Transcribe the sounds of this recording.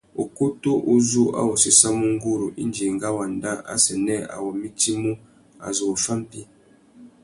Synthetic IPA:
o˨ku˦to˦ʔu˦zu˦a̰˦wɔ˨si˦sa˦mu˦ŋ˦ɡu˦ɾu˨ʔḭ˦nd͡ʒi˨ŋɡa˦wa˨nda˦ʔa̰˦sɛ˨nɛ˦a̰˨wɔ˨mi˦ti˦mu˦ | a̰˨zo˨o˨fa˦m˦pi˦

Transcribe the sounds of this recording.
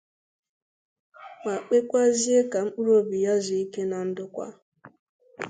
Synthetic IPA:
ŋa˨k͡pe˦kʷa˦zi˦e˦ka˨ŋ͡m̩˦k͡pu˦ɾo˦bi˨ja˦zi˨i˦ke˦na˨n̩˦dʊ˦kʷa̰˦

